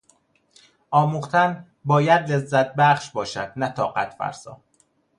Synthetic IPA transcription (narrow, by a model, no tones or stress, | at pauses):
ʔɒːmuːχt̪ʰæn | bɒːjæd̪le̞zːæt̪̚ʰbæχʃbɒːʃæ̰d̪̥̚næt̪ʰɒːɢæ̰t̪ʰfæ̰ɾsɒ̰ː